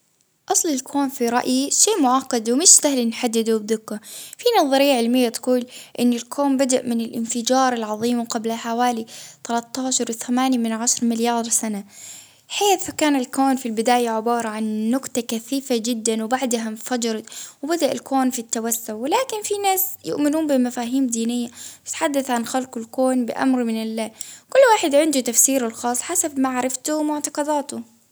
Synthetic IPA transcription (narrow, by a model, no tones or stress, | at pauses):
ʔɑsˤlɪlkʰoːnfiɾˤɑ̰ʔjiʃeːʔmʊʕɑqːɑd̪wmɪʃsahlinħad̪ːɪd̪ubðɪkːafinɑðˤɑɾɪjːaʕɪlmɪjːat̪quːlʔɪnːɪlkʰoːmbad̪aʔmɪnɪlʔɪnfɪd͡ʒɑːɾˤɪlʕɑðˤiːmqablaħawaːlit̪alɑt̪ˤːɑːʃɑɾˤwɪθamaːnjamɪnʕaʃɾˤmɪljɑːɾˤsana | ħeːθkaːnɪlkoːnfilbɪd̪aːjaʕɪbɑːɾˤɑʕanːʊqt̪ɑkaθiːfad͡ʒɪd̪ːanwbaʕd̪ɦamfad͡ʒɑɾˤɑt̪wbad̪aʔalkoːnfit̪ːawasːʊʕwɪlaːkɪnfinaːsjʊ̰ʔmɪnuːnbɪmafaːɦiːmd̪iːnɪjːaɪt̪ħad̪ːaθʕanxalqʊlkoːnbɪ̰ʔa̰mɾmɪnɪlːaːkʊlːwaːħɪd̪ʕɪnd̪ut̪afsiːɾalxɑːsˤħasabmaʕaɾˤɑft̪ʊmʊʕt̪ɑqɑd̪aːt̪ʊ